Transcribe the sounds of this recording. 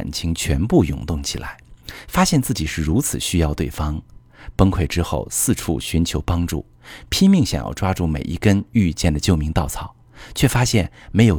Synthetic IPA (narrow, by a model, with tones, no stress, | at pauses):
nt͡ɕʰi˧˥ŋt͡ɕʰɥɛ˧˥npu˥˩jʊ̰˨˩ŋt̪ʊ˥˩ŋt͡ɕʰḭ˨˩la̰˧˥ɪfa˥ɕjɛ˥˧nt͡sɹ̩˥˩t͡ɕi˨˩ʂɻ̩˥˩ɻu˧˥t͡sʰɹ̩˨˩ɕy˥jɑ˥˧ʊt̪we˥˩ɪfɑ˥ŋ | pə˥ŋkʰwe˥˩ɪʈ͡ʂɻ̩˥xo˥˧ʊsɹ̩˥˧ʈ͡ʂʰṵ˥˩ɕy˧˥nt͡ɕʰjo˧˥ʊpɑ˥ŋʈ͡ʂṵ˥˩ | pʰi˥mi˥˧ŋɕjɑ̰˨˩ŋjɑ̰˥˩ʊʈ͡ʂwa˥ʈ͡ʂu˥˩mḛ˨˩ɪʔḭ˥kə˥ny˥˧t͡ɕjɛ˥˩nd̪ə˩t͡ɕjo˥˩ʊmi˧˥ŋt̪ɑ˥˩ʊt͡sʰɑ˨˩˦ʊ | t͡ɕʰɥɛ˥˩fa˥ɕjɛ˥˩nme˧˥ɪjo˨˩